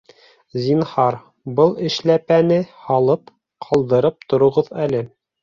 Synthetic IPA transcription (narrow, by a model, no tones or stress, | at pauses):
zʲinhɑɾ | bɤlˠɘ̆ʃlæpænɘhɑlˠɤp | qʰɑlˠd̪ɤ̆ɾɤp̚t̪ŏɾŏʁɤðælɘ